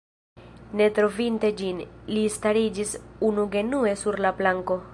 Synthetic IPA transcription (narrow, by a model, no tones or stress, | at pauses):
ne̞tɾo̞vinte̞d͡ʒinlistaɾid͡ʒisunuɡe̞nue̞suɾlaplaŋko̞